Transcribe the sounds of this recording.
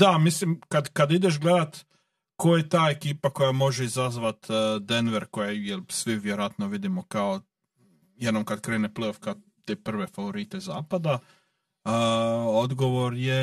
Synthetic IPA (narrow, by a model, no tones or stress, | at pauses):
d̪amislimkad̪kad̪id̪e̞ʃ̬ɡled̪at̪ | kojet̪aːekiːpako̞jamo̞ʒeizazʋat̪ːd̪enʋeɾkojajelsʋiʋjeɾoat̪noʋid̪imokao | jed̪nomkad̪kɾeːneplejofka | t̪eːpr̩ʋe̞faʋo̞ɾit̪e̞zaːpad̪a | od̪ɡo̞ʋoɾje